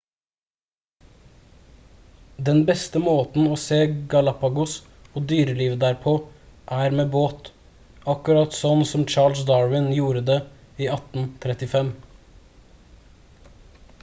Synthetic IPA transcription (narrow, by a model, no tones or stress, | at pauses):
d̪ɛnbɛst̪əmoːt̪n̩oːseːɡɑlɑpɑɡʊs | oːd̪yːɾəliːʋəd̪æɾpʰoʔæːɾmeːboːt̪ | ɑkʉɾɑt̪sɔnsɔmt͡ʃɑːɭsd̪ɑːɹʋɪnjuːɾəd̪eː | iːɑt̪n̩t̪ʰɾɛt̪ɪfɛm